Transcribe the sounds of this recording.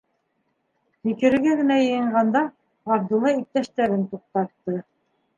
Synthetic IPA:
mikɘ̆ɾɘ̆ɡæɡɘ̆næjɤ̆jɤ̆ɴɢɑnd̪ɑ | ɑɾd̪ɤ̆lˠɤik̚t̪æʃt̪æɾɘnt̪uq̚t̪ɑɾt̪ːɤ

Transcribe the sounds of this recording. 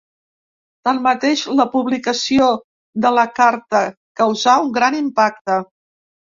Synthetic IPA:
t̪anmət̪eʃləpuβlikəsio | ðələkaɾt̪ə | kəwzauŋɡɾanimpak̚t̪ə

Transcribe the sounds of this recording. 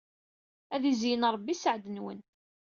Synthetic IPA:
æðizjənɾˤəbːisəʕd̪ənwə̰n

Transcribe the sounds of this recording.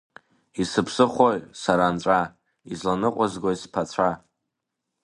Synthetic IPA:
isɨpʰsɨχʷoɥsaɾant͡ʃʷʼa | izlanɨqʷʼazɡʷojspʰat͡sʷʰa

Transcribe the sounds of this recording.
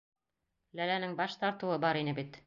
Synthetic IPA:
lælænɘŋbɑʃt̪ɑɾt̪ɤ̆wɤbɑɾinɘbit̪

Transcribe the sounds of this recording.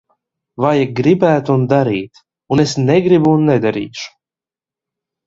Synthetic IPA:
vajaɡɾibæːt̪uund̪aɾiːt̪ | unesneɡɾibunːɛd̪aɾḭːʃu̥

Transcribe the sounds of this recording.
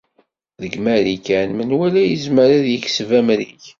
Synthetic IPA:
ðəɡmæɾikænmənwælæjəzməɾaðjəksvæmɾiç

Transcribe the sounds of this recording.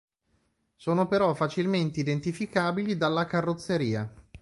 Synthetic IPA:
soːnopeɾɔfat͡ʃilment̪eid̪ent̪ifikaːbilid̪alːakarːot̪sːeɾiːa

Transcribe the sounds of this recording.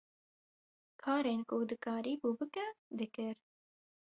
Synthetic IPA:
kʰɑːɾeːnkʊd̪ɨkɑːɾiːbuːbɨkɛd̪ɨkɨɾ

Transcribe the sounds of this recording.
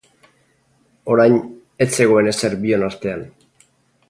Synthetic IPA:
o̞ɾajɲ | e̞t͡se̞ɣ̞o̞e̞ne̞se̞ɾbio̞nast̪e̞an

